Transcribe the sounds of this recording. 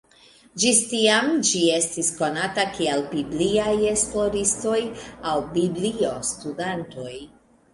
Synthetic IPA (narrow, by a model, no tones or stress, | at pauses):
d͡ʒistiamd͡ʒie̞stisko̞natakialbibliaje̞splo̞ɾisto̞jawbiblio̞studanto̞j